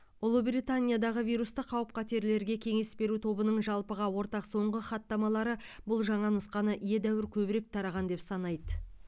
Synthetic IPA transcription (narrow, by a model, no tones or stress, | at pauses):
ʊlˠubɾit̪anʲijad̪ɑʁəvijɾust̪əqʰɑwəp̚qʰɑt̪e̞ɾle̞ɾɡʲe̞kʲʰe̞ŋe̞sbe̞ɾut̪ʰo̞bənəɴʒɑlˠpəʁɑwo̞ɾt̪ɑqso̞ɴʁəχɑt̪ːɑmɑlˠɑɾəbʊlˠʒɑɴɑnʊsqɑnəʔije̞d̪æwɪɾkʲʰɵbɪɾe̞k̚t̪ʰɑɾɑʁɑnd̪e̞psɑnɑjd̪ə